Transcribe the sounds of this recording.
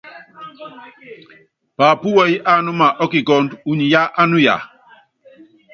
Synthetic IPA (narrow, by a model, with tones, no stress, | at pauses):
pa˨pu˦wɛ˦i˦ʔa˦nu˦ma˨ʔɔ˦ki˨ɡɔ˦ndu˨ɲi˨ja˦ʔa˦nu˦ja̰˨